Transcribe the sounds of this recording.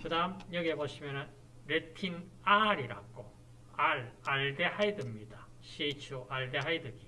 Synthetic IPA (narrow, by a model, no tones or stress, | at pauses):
kɯdamjʌɡiɦeboɕʰimjʌnɯn | ɾetʰin | aɾiɾa̰k͈o | aɭaɭde̞hajdɯmɲida | ɕʰit͡ɕʰuʔaɭde̞ɦajdɯɡi